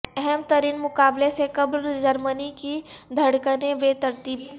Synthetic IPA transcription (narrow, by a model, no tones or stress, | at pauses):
ɛɦɛmt̪əɾiːnmʊkaːblesekɐbɾd͡ʒɐɾmənikid̪ʱɐɽkneʋet̪ɐɾt̪iːb̚